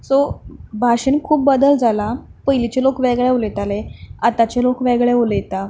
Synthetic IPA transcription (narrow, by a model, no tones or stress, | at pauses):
sobʱaɕənkʰuːp̚bəd̪əld͡zalapəjlit͡ɕelokʋeɡɭeolet̪aleat̪at͡ɕelokʋeɡɭeolet̪a